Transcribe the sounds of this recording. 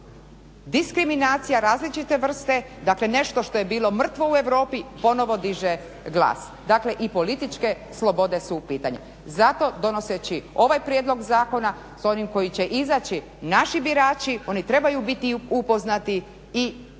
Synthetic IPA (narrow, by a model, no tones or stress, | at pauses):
d̪iskɾiminaːt̪sijaɾaːzlit͡ʃit̪e̞ʋr̩st̪e̞d̪akle̞ne̞ʃt̪o̞ʃt̪o̞jebiːlˠo̞mr̩t̪ʋo̞ue̞ʋɾo̞ːpipo̞no̞ʋo̞d̪iʒe | ɡlˠa̰ːs | d̪aːkle̞ʔipo̞lit̪it͡ʃke̞ | slˠo̞bo̞d̪e̞supiːt̪a̰ɲa̰ | zat̪o̞d̪o̞no̞set͡ɕio̞ʋajpɾjed̪lˠo̞ɡzaːko̞na | so̞nimko̞jit͡ɕe̞ʔizat͡ɕi | naʃibiɾaːt͡ʃio̞nit̪ɾe̞bajubit̪iupo̞znat̪i | i